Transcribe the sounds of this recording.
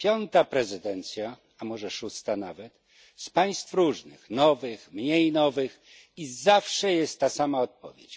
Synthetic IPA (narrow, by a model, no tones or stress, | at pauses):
pʲjɔnt̪apɾɛzɘd̪ɛnt̪sʲja | amɔʐɛʂust̪anavɛt̪ | spaj̃st̪fɾuʐnɨ̰xnɔvɘxmɲejnɔvɘx | izafʂɛjɛst̪ːasamaɔt̪̚pɔ̰vʲjet͡ɕ